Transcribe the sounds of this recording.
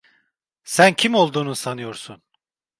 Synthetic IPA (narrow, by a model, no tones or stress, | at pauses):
sæncʰimo̞lˠd̪uːnusanɯjo̞ɾsun